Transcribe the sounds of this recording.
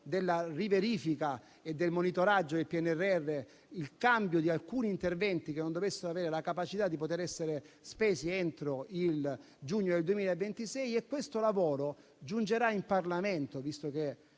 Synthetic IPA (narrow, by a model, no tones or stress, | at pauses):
d̪elːariveɾiːfika | ed̪ːelmonit̪oɾad͡ʒːod̪elpiɛnːɛrːeɛrːe | ilkambjod̪ialkuːniːnt̪ervɛnt̪ikenːond̪ovesːeɾoaveːɾelakapat͡ʃit̪ad̪ːipot̪eɾɛsːeɾespeːsient̪ɾoil | d͡ʒuɲːod̪eld̪uemiːlaevːent̪isɛjekːwest̪olavoːɾo | d͡ʒund͡ʒeɾaimparlament̪ovist̪ok̟e